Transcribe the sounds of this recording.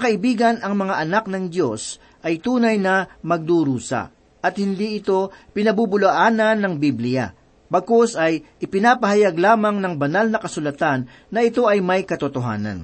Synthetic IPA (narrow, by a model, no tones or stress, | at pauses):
ɐkɐʔɪbiːɡɐnɐŋmɐŋaʔɐnak̚nɐŋd̪jo̞s | ʔɐjt̪uːnɐjnɐmɐɡ̚d̪uɾuːsɐ̰ | ʔɐt̪̚hɪnd̪iɪt̪o̞pɪnɐbubʊlɐʔaːnɐnːɐŋbiblɪja̰ | bɐkosɐjʔɪpɪnaːpɐɦɐjaɡlaːmɐŋnɐŋbɐnalnɐkɐsʊlɐt̪anːɐʔɪt̪o̞ʔɐjmɐjkɐt̪ʊt̪oɦa̰ːnɐ̰n